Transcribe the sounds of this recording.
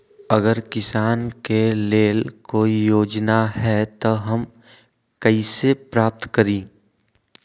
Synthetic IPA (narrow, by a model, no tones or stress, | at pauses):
əɡəɾkɪsaːnkeleːlkoːijoːd͡ʒnaɦɛt̪oɦɐm | kəisepɾaːp̚t̪kəɾĩː